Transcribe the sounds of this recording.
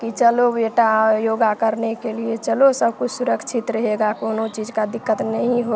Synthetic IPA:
kit͡ʃəlobeʈajoɡakəɾnekeliet͡ʃəlosəbkut͡ʃʰsuɾəkt͡ʃʰit̪ɾəɦeɡakoːnot͡ʃid͡ʒkad̪ikːət̪nəɦĩɦo

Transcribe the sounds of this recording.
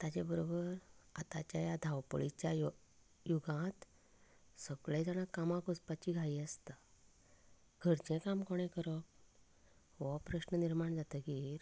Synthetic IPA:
t̪at͡ɕebəɾobəɾat̪at͡ɕjajad̪ʱawpə̰ɭit͡ɕjaj | juɡãt̪ | səɡɭed͡z̪añakamãkospat͡ɕiɡʱaiːəst̪a | ɡʱəɾt͡ɕẽkamkoɽ̃ẽkəɾɔk̚ | ʋɔpɾəɕnəniɾmaɳd͡zat̪əɡiɾ

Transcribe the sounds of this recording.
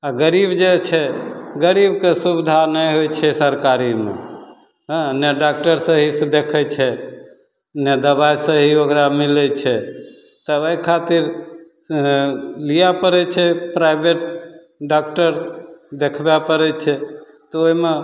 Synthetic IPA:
aɡəɾibd͡ʒet͡ʃʰɛɡəɾibkesubid̪ʱanəjɦojt͡ʃʰɛsəɾkaɾimḛ | ɦneɖak̚ʈəɾsəɦisə̃d̪ekʰɛt͡ʃʰɛ | ned̪əbajsə̃ɦiokɾamilɛt͡ʃʰɛ | t̪əəkʰat̪iɾ | lijapəɾɛt͡ʃʰɛpɾajbeʈ̚ | ɖakʈəɾd̪ekʰbapəɾɛt͡ʃʰɛ | t̪ɔoime

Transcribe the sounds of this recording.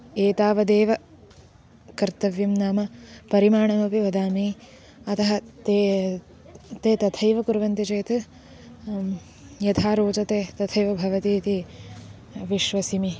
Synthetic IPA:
eːt̪aːʋɐd̪eːʋɐ | kɐɾt̪ɐʋjɐmnaːmɐpɐɾimaːɳɐmɐpiʋɐd̪aːmiː | ɐt̪ɐɦɐt̪ː | t̪eːt̪ɐt̪ʰɐjʋɐkuɾʋɐnt̪it͡ʃeːt̪ɐ | jɐt̪ʰaːɾoːt͡ʃɐt̪eːt̪ɐt̪ʰɐjʋɐbʱɐʋɐt̪iːt̪i | ʋiʃʋɐsimi

